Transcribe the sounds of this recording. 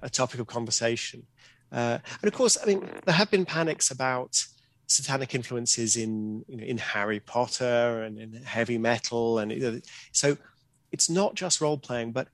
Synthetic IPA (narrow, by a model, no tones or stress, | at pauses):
ʔətʰɒpɪkəv̥kʰɒ̃ɱvə˞seɪʃɨ̃n | ʌə̃nʌv̥kʰɔɹsaɪmĩnðə˞əvbɨ̃npʰanɪksəbaʊt | sətʰanɪkɪ̃ɱfluə̃nsɪzɪ̃njɨnoʊʔɪ̃nhaɹipʰɒtəɹə̃nɪ̃nhɛvimɛtʰˡl̩ˠə̃n̰əsoʊ | ɨtsnəʔ̚d̥ʒ̥ʌst̚ɹoʊlˠpʰl̥eɪɪ̃ŋbʌt̚